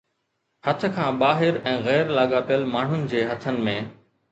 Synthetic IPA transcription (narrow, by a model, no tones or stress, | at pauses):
hɐt̪ʰə̆kʰãːɓaːɦɪɾɛ̃ːɣɛːɾlaːɠaːpijəlmaːɳ̤ʊnɪ̆d͡ʑeːɦɐt̪ʰənɪ̆mẽː